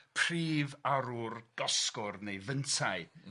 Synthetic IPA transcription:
pʰr̥iːvaɾurɡ̥ɔskʊrnejvəntʰaj

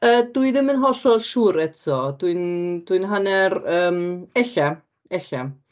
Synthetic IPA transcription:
əːduɨðɪmənɦɔɬɔʃuːɾɛtʰɔd̥ʊɨnd̥ʊɨnɦanɛrəːmɛɬa | ɛɬa

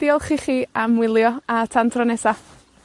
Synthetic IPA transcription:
d̥iːɔlˠχiχiːamwɪlˠjɔatʰantʰrɔnɛsa

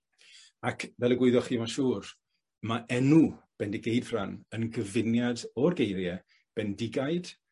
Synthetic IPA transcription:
akʰvɛlˠəɡwɪɨðjɔχiːmaʃuːr | maʔɛnub̥ɛndiɡejdv̥ranənɡəvɪnjadɔrɡejɾjɛ | b̥ɛndɪɡajd̥

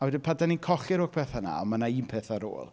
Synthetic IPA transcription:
awɛdɪpʰadaninkʰɔχɪɾoːk̚pʰeːθana̰ɔ̰manaiːmpʰeːθaɾo̰ːlˠ

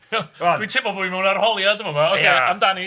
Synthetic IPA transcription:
witʰɪbɔboimɛwnarhɔlˠjadəmɔvaokʰejamdani

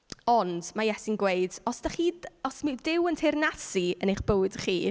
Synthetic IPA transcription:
ɔnd̥majɛsɪnɡweɨdɔsd̥aχiːdɔsmidɪwəntʰernasiənejχb̥owɨd̥χḭː

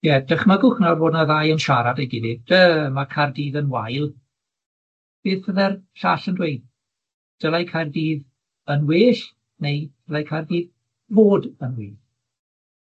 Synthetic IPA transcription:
jɛdəχmaɡʊxnɔrvoːdnaðaːjənʃaɾadejɡɪdɪd̥əmakʰardiːðənwajlˠ | b̥iːðfəðɛrɬaɬəndwejd̚ | d̥əlˠajkʰajrdiːð | ənwɪːɬ | nejd̥əlˠajkʰajrdiːð | voːdənwiːð

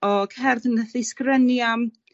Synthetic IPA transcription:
ɔkʰɛrðənəθɪskrənjam

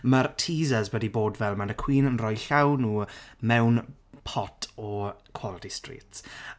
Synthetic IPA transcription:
martʰiːzəzwədiboːdvɛlˠmanəkʰw̥iːnənrɔjɬawnuːmɛwn | pʰɔtʰɔkʰw̥ɔlˠtʰistrḭːts

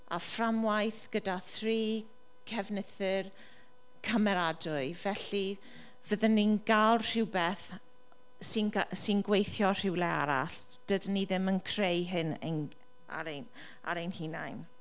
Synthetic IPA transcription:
a̰framwajθɡ̥ədaθriː | kʰɛvnɪθɨr | kʰəmɛɾadʊɨvɛɬi | vəðənːinɡ̥alˠr̥ɪwbɛθ | sɪnsɪnɡwejθjɔr̥ɪwlɛa̰ɾa̰ɬ | d̥ədnːiðɪmənkʰrejɦɪnḛn | a̰ɾen | a̰ɾejnhinajn

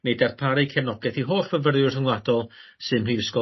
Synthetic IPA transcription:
nedarpʰaɾikʰɛvnɔɡɛθiɦoːrvəvərjʊrrəŋwlˠadɔlˠsɨnrɨːəskɔ

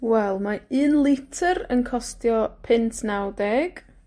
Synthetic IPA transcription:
wɛlˠmaɨːnlˠɪtʰəɾənkʰɔstjɔpʰɪntʰnawdɛɡ̥

